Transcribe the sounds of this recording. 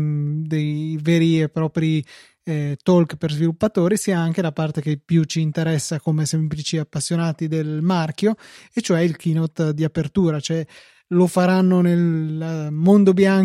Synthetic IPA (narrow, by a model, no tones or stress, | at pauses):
d̪ejveːɾiepːɾɔːpɾi | t̪ɔlkperzvilupːat̪oːɾisiːaaŋk̟elapart̪ekepːjut͡ʃiːnt̪eɾɛsːakomesɛmplit͡ʃiapːasːjonaːt̪id̪elmarkjoet͡ʃːoɛilk̟inot̪d̪iapert̪uːɾat͡ʃoɛ | lofaɾanːonel | mond̪objaŋ